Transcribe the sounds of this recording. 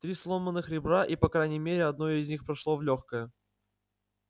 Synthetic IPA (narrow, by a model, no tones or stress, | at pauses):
t̪ɾʲislˠomənːɨxɾʲɪbɾaʔipɐkɾajnʲɪmʲeɾʲɪɐd̪nojɪzʲnʲixpɾɐʂlˠovlʲoxkəjə